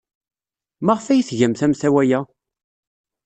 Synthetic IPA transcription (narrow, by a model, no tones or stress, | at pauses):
maʁfæjiθʝæmθæmθæwæjæ